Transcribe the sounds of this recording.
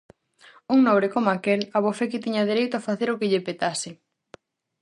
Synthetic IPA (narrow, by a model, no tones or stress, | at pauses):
uŋnɔ̃βɾɪkomakelaβofekɪt̪iɲɐð̞eɾejt̪ʊafaθeɾʊkɪʎɪpet̪asɪ